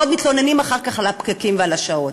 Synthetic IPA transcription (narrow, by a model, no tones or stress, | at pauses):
od̪mit̪lonenimaχaʁkaχalapɡakimvealaʃaot